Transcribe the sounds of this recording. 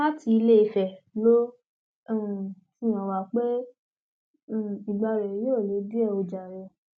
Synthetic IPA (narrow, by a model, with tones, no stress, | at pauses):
a˦ti˧i˧le˦i˧fɛ˨lõ˦˨ | sĩ˦j̃ã˨wa˨k͡pe˦˨ | i˨ɡ͡ba˧ɾɛ˨jo˦˨le˨˦di˦ɛ˦˨o˧d͡ʒa˨ɾɛ˨